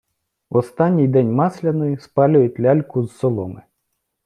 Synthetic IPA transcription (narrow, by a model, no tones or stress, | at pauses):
ɔst̪ɑnʲːijd̪ɛnʲmɑslʲɐnɔjispɑlʲʊjʊt̪ʲlʲɑlʲkʊzsɔlˠɔmɪ